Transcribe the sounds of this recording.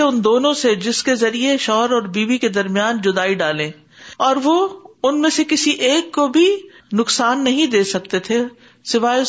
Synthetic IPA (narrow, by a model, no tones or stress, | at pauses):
eʊnd̪oːnõsed͡ʒɪskezɐɾieʃɔːɦəɾɔːɾbiːʋiked̪ɐɾmijaːnd͡ʒʊd̪aːiɖaːlẽː | ɔːɾʋoʊnmẽsekɪsiʔeːkːobʱinʊksaːnːɐɦĩd̪eːsɐk̚t̪et̪ʰe | sɪʋaːj